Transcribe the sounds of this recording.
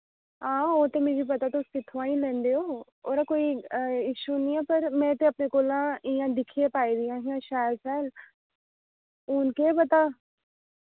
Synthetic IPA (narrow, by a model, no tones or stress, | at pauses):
ɦãːoːt̪emeːbʱipɐt̪at̪osɪt̪ʰʋãːĩlẽːnd̪eo | oːɾakoːiɪʃunĩãpɐɾmɛ̃ːt̪eɐpnekoːlãijãd̪ɪkʰiepaːid̪ijãɦiãʃaːlsaːl | ʊnkebɐt̪a